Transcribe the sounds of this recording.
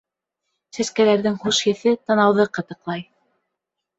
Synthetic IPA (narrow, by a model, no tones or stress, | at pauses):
sæskælæɾðɘŋhuʃjɘ̆θɘt̪ɤ̆nɑwðɤqɤ̆t̪ɤ̆qlˠɑj